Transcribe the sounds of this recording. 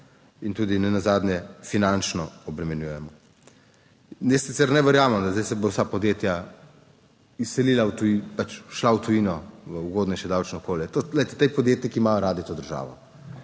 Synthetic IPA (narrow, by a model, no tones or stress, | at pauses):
int̪uːd̪inɛnazaːd̪njɛfinant͡ʃnɔɔbɾɛmɛnjuːjɛmɔ | jɛssit̪sɛɾnɛʋɛɾjaːməmd̪azd̪ajsɛbowsapɔd̪jeːt̪ja | isɛliːlawt̪uipat͡ʃʃlawt̪ujinɔʋəuɡoːd̪nɛʃɛd̪awt͡ʃnɔɔkoːljɛt̪olɛjt̪ɛ̥t̪ɛjpɔd̪jeːt̪nikimaːjɔɾaːd̪it̪oːd̪əɾʒa̰ːʋɔ̰